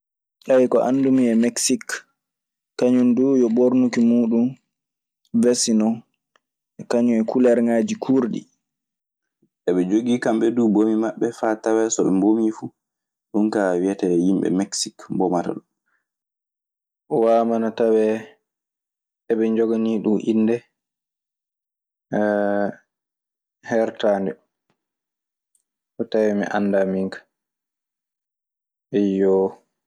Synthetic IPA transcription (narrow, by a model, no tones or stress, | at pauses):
ʔawikɔʔa̰ndumiɛmɛksikː | aɲundujɔboɾnukimuːɗum | vesinɔ | ʔɛkaɲumɛkʰulɛɾŋaːd͡ʒikʰuɾɗḭ | ʔɛɓɛd͡ʒoɡiːkamɓɛduːbomimaɓːɛfatawɛsɔɗumbomifu | ɗunkawijatɛjimɓɛ̰mɛksikbɔmata̰ɗum | waːmanatawɛ | ɛbɛɲd͡ʒɔɡaniɗumʔinːdɛ | hɛɾtandɛ | ʔɔtawɛmḭʔanːdamiŋkḁ | ɛjɔ